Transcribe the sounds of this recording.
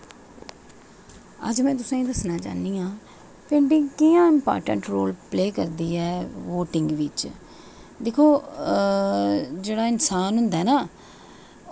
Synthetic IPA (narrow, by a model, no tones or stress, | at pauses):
ə̰d͡ʒmɛ̃ːt̪ʊsãːĩːd̪əsnãːt͡ʃa̰ːniːãː | pẽːɳɖiːkɪjãːɪmpa̰ːɾʈə̰ɳʈɾoːlpleːkəɾd̪iːɛːʋoːʈɪ̃ŋɡʋɪt͡ʃ | d̪eːkʰoː | d͡ʒeːɽaːɪnsaːnɦʊnd̪aːnaː